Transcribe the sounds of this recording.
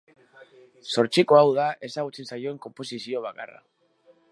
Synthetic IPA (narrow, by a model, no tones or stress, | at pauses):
so̞ɾt͡siko̞awðaʔe̞saɣ̞ut͡se̞nsajoe̞ŋko̞mpo̞sisio̞β̞aka̰ra̰